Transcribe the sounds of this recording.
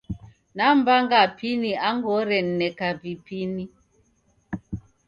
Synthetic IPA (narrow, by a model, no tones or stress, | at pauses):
nambaŋɡapiniaŋɡɔɾɛn̩nɛkavipini